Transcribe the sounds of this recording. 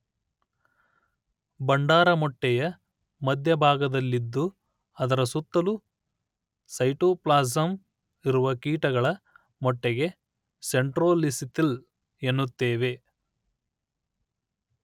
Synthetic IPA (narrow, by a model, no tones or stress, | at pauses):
bɐɳɖaːɾɐmɔʈːɛjɐ | mɐd̪ʱjɐbʱaːɡɐd̪ɐlːid̪ːu | ɐd̪ɐɾɐsut̪ːɐlu | sɐjʈoːplaːzɐm | iɾuʋɐkiːʈɐɡɐɭɐ | mɔʈːɛɡe̞ | se̞ɳʈɾoːlisit̪il | e̞nːut̪ːeːʋe̞